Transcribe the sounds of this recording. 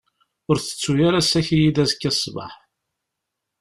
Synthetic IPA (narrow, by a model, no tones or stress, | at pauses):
ʊɾθə̥t͡sːujaɾasæçijid̪æzkːæsˤːbə̰ħ